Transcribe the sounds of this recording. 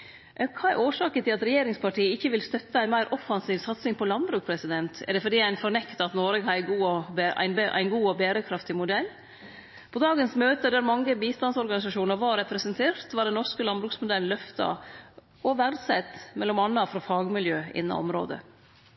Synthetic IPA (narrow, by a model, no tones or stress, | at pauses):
ʔkʰɑːæɾʔoːʂɑːkət̪ʰɪlɑt̪ɾɛjeːɾɪŋspɑʈiːəɪçːəʋɪlst̪œt̪ːəæɪnmæɪɾʔɔfɑnsiːʋsɑt̪sɪŋpʰɔlɑnbɾʉːk̚pʰɾɛsɪd̪ɛnt̪ɛ̰ɖɛfɔɖiːæɪnfɔɾɳɛkt̪əɑt̪noːɾɛɡhɑɪɡuːɔæ̰ɪnbʔæ̰ɪnɡuːɔbeːɾəkʰɾɑft̪ɪmʊd̪ɛlː | pʰɔd̪ɑːɡənsmøːt̪əd̪æɾmɑŋːəbiːst̪ɑnsɔɾɡɑnɪs̬ɑʂuːnəɾʋɑɾɛpɾɛsənt̪ʰeːɾt̪ʋɑɖɛnːɔʂkəlɑnbɾʉːksmʊd̪ɛln̩lœft̪ɑ̰ | ɔʋæɾd̪sɛt̪mɛlːɔmɑnːɑfɾɑfɑːɡmɪljøːɪ̰nːɑ̰ɔ̰mɾo̰ːd̪ə̰